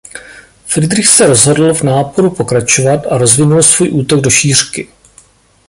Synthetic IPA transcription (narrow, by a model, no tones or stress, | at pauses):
fɾɪdɾɪxsɛɾo̞zɦo̞dl̩vnaːpo̞ɾupo̞kɾat͡ʃo̞vat̪ʔaɾo̞zvɪnulsvuːjʔuːt̪o̞ɡ̚do̞ʃiːr̝̥kɪ